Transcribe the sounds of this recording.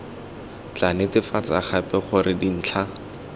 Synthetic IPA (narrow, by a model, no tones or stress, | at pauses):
t͡ɬanɪtɪfat͡saχapɛχʊrɪdin̩ːt͡ɬʰa